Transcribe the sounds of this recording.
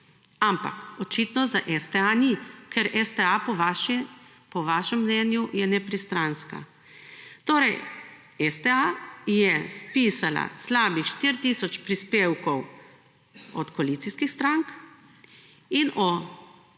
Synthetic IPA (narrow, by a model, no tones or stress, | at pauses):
ampa̰kɔt͡ʃiːt̪nɔzaʔɛst̪ɛanikʰɛɾʔɛst̪ɛapɔʋaʃi | pɔʋaːʃɛmːnɛnjujɛnɛpɾist̪ɾanska̰ | t̪oːɾɛj | ɛst̪ɛajɛspiːsala̰slaːbixʃt̪iɾt̪isɔt͡ʃpɾispewkɔw | ɔt̪koaliːt̪siskixst̪ɾaŋk | inʔɔ